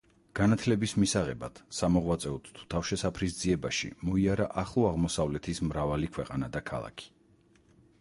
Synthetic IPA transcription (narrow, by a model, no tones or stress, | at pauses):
ɡ̥anat̪ʰlɛbismisaʁɛba̰d̪̥samɔʁwat̪sʼɛɔt̪ʰt̪ʰu̥t̪ʰafʃɛsapʰɾisd̪ziɛbaʃḭmɔiaɾaʔaχlˠɔaʁmɔsavlɛt̪ʰismɾavalikʰwɛqʼanad̪akʰa̰lˠa̰kʰi̥